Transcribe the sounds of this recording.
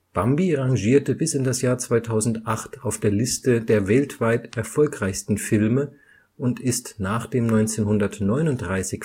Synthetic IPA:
b̥ambiʁaŋʒiːɐtəbɪsɪndasjaːɐt͡sv̥aɪtʰaʊzn̩tʔaχtaʊfd̥eːɐlɪstədeːɐvɛltv̥aɪtʔɛɐfɔlkʁ̥aɪçstn̩fɪlmə | ʔʊntɪstnaːχd̥eːmnɔʏnt͡seːnhʊndɐtnɔʏnʊnt̚d̥ʁaɪsɪç

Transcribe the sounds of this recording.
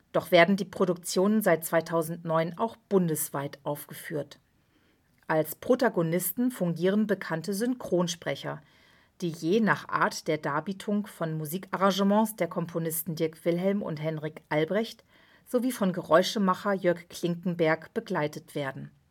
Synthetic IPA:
d̥ɔχv̥eːɐdn̩diːpʁ̥oɾʊk̚t͡sjoːnənzaɪt̚t͡sv̥aɪtʰaʊzn̩tnɔʏnʔa̰ʊxb̥ʊndəsv̥aɪtʔaʊfɡ̥əfyːɐt | ʔalspʁ̥otaɡonɪstn̩fʊŋɡiːʁ̞ənbəkʰantəzʏŋkʁ̥oːnʃpʁ̥ɛçɐ | d̥iːjeːnaːχʔa̰ːɐtd̥eːɐdaːbiːtʰʊŋfɔnmuziːkʔaʁɑ̃ŋʒəmɑ̃sd̥eːɐkʰɔmpʰonɪstn̩dɪɐkv̥ɪlɦɛlmʊ̰ntɦɛnʁikʔalbʁɛçt | z̥oviːfɔnɡəʁɔʏʃəmaχɐjœɐkkʰl̥ɪŋkŋ̩bɛɐkb̥əɡlaɪtətv̥eːɐdn̩

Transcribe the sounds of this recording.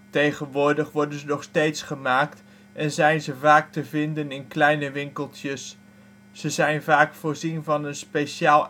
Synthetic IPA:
tejχənʋʊːɹdəχʋɔɹdənzənɔχstejtsχəmaːkt | ɛnzɛjnzəvaːk̚təvɪndənɪnklɛjnəʋɪŋkəlˠtjəs | z̥əzɛjnvaːkfʊːɹzinvɑnənspejʃaːlˠ

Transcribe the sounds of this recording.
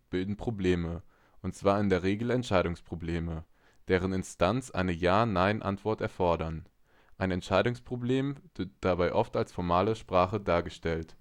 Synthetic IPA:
b̥ɪldn̩pʁ̥obleːmə | ʔʊntt͡sv̥aːɐɪndeːɐʁ̞eːɡl̩ɛntʃaɪɾʊŋspʁ̥obleːmə | d̥eːʁ̞ənɪnstant͡sʔa̰ɪnəjaːnaɪnʔa̰ntv̥ɔɐtɛɐfɔɐdɐn | ʔaɪnɛntʃaɪɾʊŋspʁ̥obleːmv̥ɪd̥abaɪʔɔftalsfɔɐmaːləʃpʁ̥aːχədaːɐɡəʃtɛlt

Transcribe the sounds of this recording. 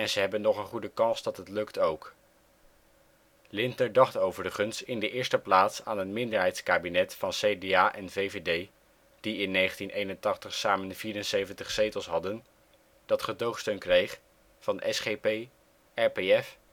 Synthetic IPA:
ɛnzəɦɛbənːɔχənχudəkɑnsdɑtɦətlɵktowk | lɪntədɑχtowvərəχənstɪndəʔɪːɹstəplaːtsaːnɦətmɪndəɹɦɛjtskaːbinɛtfɑnsejdeaːʔɛnvejvedej | d̥iɪnːejχəntinʔejnəntɑχtəχsaːmənv̥iːɾənsejvəntəχsejtəlˠsɦɑdən | d̥ɑtχədowχstønkrejχ | vɑndəʔɛsχepej | ɛɹpeɛf

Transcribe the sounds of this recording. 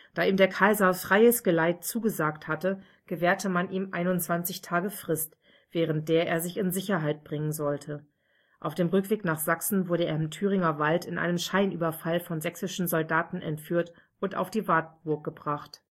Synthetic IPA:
d̥aːʔiːmdeːɐkʰaɪzɐfʁ̥aɪəsɡ̥əlaɪtt͡suːɡəzaːkthatə | ɡ̥əvɛːɐtəmanʔiːmʔa̰ɪnʊnt͡sv̥ant͡sɪçtʰaːɡəfʁ̥ɪst | v̥ɛːʁ̞ənt̚d̥eːɐʔeːɐzɪçɪnzɪçɐɦaɪt̚b̥ʁɪŋənzɔltʰə | ʔaʊfd̥eːmʁʏkv̥eːknaːχz̥aksn̩vʊɐɾəeːɐɪmtʰyːʁ̞ɪŋɐvaltɪnʔa̰ɪnəmʃaɪnʔyːbɐfalfɔnzɛksɪʃn̩zɔldaːtn̩ʔɛ̰ntfyːɐt | ʔʊntʔa̰ʊfd̥iːvaːtb̥ʊɐk̚ɡ̥əbʁaχt

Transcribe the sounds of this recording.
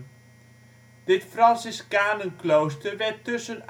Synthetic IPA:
d̥ɪtfrɑnsɪskaːnənklowstərʋɛtøsən

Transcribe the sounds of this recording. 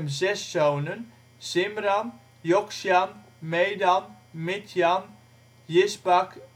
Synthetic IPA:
mzɛsːownən | sɪmran | jɔksjan | mejdan | mɪtʰjan | jɪsbak

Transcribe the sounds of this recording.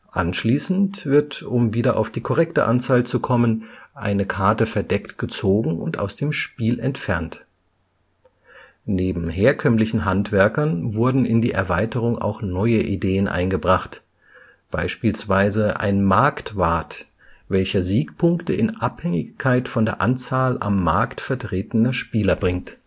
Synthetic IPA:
ʔa̰nʃliːsn̩tv̥ɪɐtʊmviːdɐʔa̰ʊfd̥iːkʰɔʁɛktəʔant͡saːlt͡sukʰɔmənʔa̰ɪnəkʰaɐtəfɛɐdɛktɡ̥ət͡soːɡŋ̩ʊ̰ntʔa̰ʊsd̥eːmʃpiːlʔɛntfɛɐnt | neːbm̩ɦeːɐkʰœmlɪçn̩ɦantv̥ɛɐkɐnvʊɐdn̩ɪndiːʔɛɐvaɪtəʁ̞ʊŋʔa̰ʊxnɔʏəʔideːənʔa̰ɪnɡəbʁaχt | b̥aɪʃpiːlsv̥aɪzəʔa̰ɪnmaɐktv̥aɐt | vɛlçɐziːkpʰʊŋktəɪnʔaphɛŋɪçkʰaɪtfɔndeːɐʔant͡saːlʔa̰mːa̰ɐktfɛɐtʁ̥eːtənɐʃpiːlɐbʁɪŋt

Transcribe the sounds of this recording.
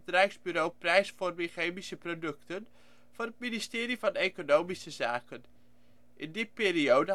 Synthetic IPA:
trɛjksbyɾowprɛjsformiχeːmisəprodɵktən | v̥ʊːrət̚ministɪːɾivɑnekonowmisəzaːkən | ʔɪndipiːɾiowdə

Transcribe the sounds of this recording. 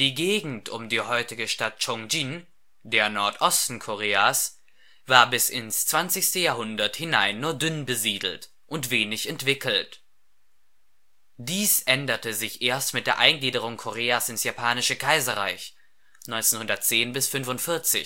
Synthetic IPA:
d̥iːɡeːɡŋ̩tʰʊmdiːhɔʏtɪɡəʃtat̚t͡ʃɔŋd͡ʒin | deːɐnɔɐtʔɔstn̩kʰoʁ̞eːas | v̥aːɐbɪsɪnst͡sv̥ant͡sɪçstəjaːɦʊndɐthɪnaɪnːuːɐdʏnbəziːdl̩t | ʔʊntv̥eːnɪçɛntv̥ɪkʰl̩t | d̥iːsʔɛndɐtəzɪçʔeːɐstmɪtd̥eːɐʔaɪnɡliːdəʁ̞ʊŋkʰoʁeːasɪnsjapʰaːnɪʃəkʰaɪzɐʁa̰ɪç | nɔʏnt͡senhʊndɐtt͡seːnbɪsfʏnvʊntfɪɐt͡sɪ̰

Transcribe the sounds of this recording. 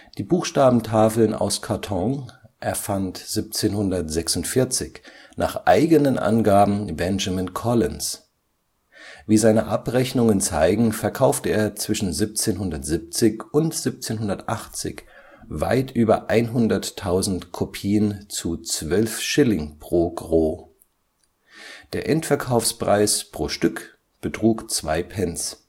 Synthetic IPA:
d̥iːbuːxʃtaːbm̩tʰaːfl̩na̰ʊskʰaɐtʰɔ̃ŋʔɛɐfantz̥ip̚t͡seːnhʊndɐtz̥ɛksʊntfɪɐt͡sɪç | nʔa̰ːχʔa̰ɪɡənənʔa̰nɡaːbm̩bɛnʒamɪnkʰɔlɪns | viːzaɪnəʔapʁɛçnʊŋənt͡sa̰ɪɡŋ̩fɛɐkʰaʊftəeːɐt͡sv̥ɪʃn̩zip̚t͡seːnɦʊndɐtz̥ip̚t͡sɪçʊntz̥ip̚t͡seːnɦʊndɐtʔaχt͡sɪ̰ç | va̰ɪtʔyːbɐ̰ʔaɪnɦʊndɐtʰːaʊzn̩tkʰopʰiːənt͡sut͡sv̥œlfʃɪlɪŋpʁ̥oːɡʁoː | d̥eːɐʔɛntfɛɐkʰaʊfspʁ̥a̰ɪspʁ̥oːʃtʏk | b̥ətʁ̥uːkt͡sv̥a̰ɪpʰɛns

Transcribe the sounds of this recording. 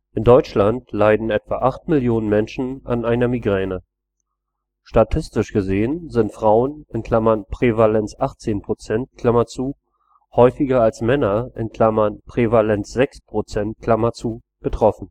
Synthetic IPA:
ʔɪndɔʏt͡ʃlantlaɪdn̩ɛtv̥aʔaχtmɪljoːnənmɛnʃn̩a̰nʔaɪnɐmiɡʁɛːnə | ʃtatʰɪstɪʃɡ̥əzeːənzɪntfʁ̥aʊənɪnkʰl̥amɐnpʁ̥evalɛnt͡sʔaχt͡seːnpʁ̥ot͡sɛnt̚kʰl̥amɐt͡suː | hɔʏfɪɡɐalsmɛnɐʔɪnkʰl̥amɐnpʁ̥evalɛnt͡sz̥ɛkspʁ̥ot͡sɛnt̚kʰl̥amɐt͡suː | b̥ətʁ̥ɔfn̩

